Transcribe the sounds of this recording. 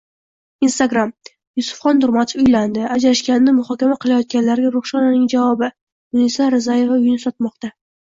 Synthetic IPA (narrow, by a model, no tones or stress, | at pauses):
inst̪aɡɾam | jʊsʊ̥fχɒnd̪ʊɾmat̪ʰo̥fʊjland̪ɪad͡ʒaʃkʲannɪmʊχɒkʲamaqʰɨlˠajɒt̪̚ɡʲanlaɾɡʲaɾʊχʃɒnɪnɪŋd͡ʒavɒbɪ | d̪ʊnisaɾɪzaje̞vaʊjɪnɪsɒt̪̚mɒqt̪a